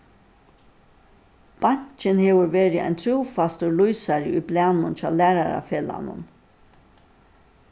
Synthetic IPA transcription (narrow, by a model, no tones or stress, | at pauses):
b̥aɲ̥t͡ʃɪnheːʋʊɹʋeːɾɪʔa̰jnt̪ʰɾuːfast̪ʊlujsaɾɪujblɛːnʊnt͡ʃɑːlæːɾaɾa̰feːla̰nʊ̰n